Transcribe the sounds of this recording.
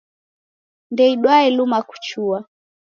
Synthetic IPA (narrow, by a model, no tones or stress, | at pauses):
ndɛiɗwaɛlumaku̥t͡ʃua